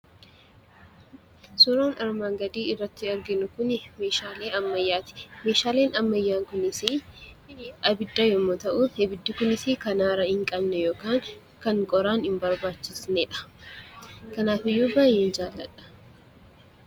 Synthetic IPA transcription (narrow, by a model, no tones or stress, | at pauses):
sʊɾoːnʔɐɾmaːŋɡɐd̪iːɪrːɐt̪ːɪɐɾɡɪnʊkʊnme̞ːʃaːleːɐmːɐjːaːt̪ɪ̥me̞ːʃaːle̞ːnɐmːɐjːaːŋkʊnɪsi | ɐbɪd̪ːɐjɔmːoːt̪ɐʔʊhɛbɪd̪ːɪkʊnɪsikɐnaːɾɐhɪŋkʼɐbnɛjo̞ːkaːŋ | kɐŋkʼɔɾaːnhɪmbɐɾbaːt͡ʃːɪsneːᶑɐ̥ | kɐnaːfɪjːuːbaːjːeːnd͡ʒaːlːɐᶑɐ̥